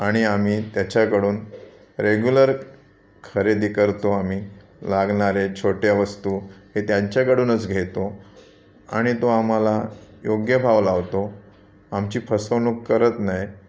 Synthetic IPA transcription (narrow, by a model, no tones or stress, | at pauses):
aɽ̃iam̤iːt̪jat͡ɕjakəɽuːn | ɾeɡjuləɾ | kʰəɾed̪ikəɾt̪oam̤iː | laɡɳaɾet͡ɕʰoʈjaʋəst̪uːɦet̪jaɲt͡ɕjakəɽuːnət͡sɡʱet̪o | a̰ɽ̃it̪oam̤alajoɡjəbʱaʋlaʋt̪o | amt͡ɕiːpʰəsəʋnukːəɾət̪naj